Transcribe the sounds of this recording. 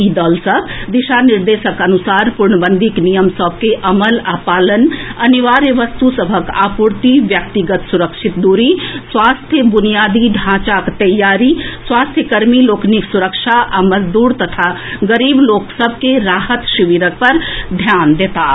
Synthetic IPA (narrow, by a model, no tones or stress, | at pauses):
id̪əːlsəbʱd̪iʃaniɾd̪eːʃəkənusaːɾpuɾɳəbənd̪ʱiknijəmsəb̚ʱkeʔɐməlaːpaːlənɐniʋaːɾeʋəst̪usəbʱəka̰ːpuɾt̪iʋjək̚t̪iɡət̪suɾəkʃʰit̪̚d̪uɾiswaːst̪ʰjəbunijaːd̪iɖʱãt͡ʃakt̪ɐjːaɾiswaːst̪ʰjəkəɾmiloːkniksuɾəkʃaʔamɐd͡ʒd̪uːɾt̪ɐt̪ʰa | ɡəɾiːbloːksəbʱkeɾaːɦət̪ʃiʋiɾək̚pɐɾd̪ʱjaːnd̪eːt̪a